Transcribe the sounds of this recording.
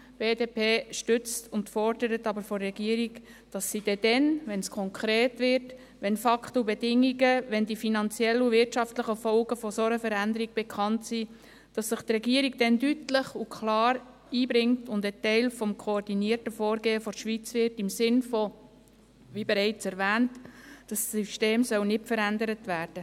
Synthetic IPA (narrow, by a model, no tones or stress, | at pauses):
b̥eːdeːpʰeːʃtʏt͡stʰʊntfɔɾdəɾətɑbəɾfɔrːɛɡ̥iəɾik | d̥ɑsːid̥ɛd̥ɛnʋɛnskʰɔŋkʰɾeːtʋɪɾt | ʋɛnfɑkχtəubɛdɪŋiɡəʋɛndifinɑnt͡sjɛlːuvɪrtʃɑftləχəfɔlɡəfɔsɔɾəfəɾændəɾiɡ̥̚b̥ɛkʰɑntsi | d̥ɑsːɪχt̪rɛɡiəɾiɡ̚d̥ɛndytləχukʰlɑːɾ | iːbɾɪŋtʊndətɛɪlfɔmkʰoːrdiniərtəfɔːɾɡeːəfɔʃʋit͡sʋɪrtɪmsɪnfɔ | ʋibɛɾɛɪt͡sɛɾʋæːntd̥ɑsyʃteːmsœwnɪtfəɾændəɾətvæːd̥ə